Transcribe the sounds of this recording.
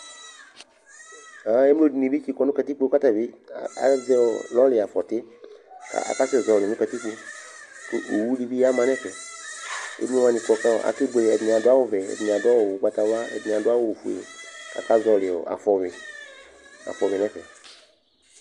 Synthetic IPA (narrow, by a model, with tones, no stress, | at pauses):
a˨˦e˦mlo˦di˨nĩ˨bi˦t͡ʃi˦kɔ˨˦nũ˦kɛ˨t̪i˦k͡po˦ka˦t̪a˨bi˦a˨˦vɛ˦ɔ˨lɔ˦lɪ˨a˨fɔ˨t̪e˦ka̰˦˨a̰˨ka˦se˦˨zɔ˨lɪ˨nũ˦kɛ˨t̪i˦k͡po˦ | ko˦ʔo˨wu˦ɖi˦bi˦ja˦mã˨nɛ̃˦fɛ˨ | ḛ˦m˦o˦ã˨nĩ˨k͡pɔ˨ka˦ɔ̰˨ʔa̰˨ke˦ɡ͡be˨ɛ˨dn˨ã˨dʊ˦a˦wo˦vɛ˨ɛ̰˨dni˨a˨dʊ˦a˦wo˨wo˨k͡pa˨t̪a˨wa˦ɛ̰˨dnĩ˨a˨dʊ˦a˦wo˦˨fu˨ḛ˨a̰˨ka˦zɔ˨lɪ˨ɔ̰˨a̰˨fɔ˨mi˨ | a̰˨fɔ˨mi˨ɛ̃˦fɛ̰˨